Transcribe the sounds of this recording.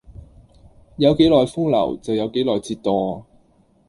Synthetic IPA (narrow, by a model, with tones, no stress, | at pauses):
jɐ˨˧wke˨˥jlɔː˨jfʊ˥ŋlɐ̰˨˩wt͡sɐ˨wjɐ˨˧wke˨˥jlɔː˨jt͡siː˧t̪̚ɔː˨˧